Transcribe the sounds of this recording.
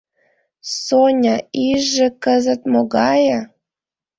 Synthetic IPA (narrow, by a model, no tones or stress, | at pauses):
sonʲɑiʒːĕkəzə̆t̪moɣɑjə̆